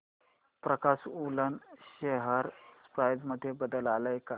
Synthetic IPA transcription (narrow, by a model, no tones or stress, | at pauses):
pɾəkasulənɕeɦəɾspɾajd͡zməd̪ʱːjebəd̪əlaləjka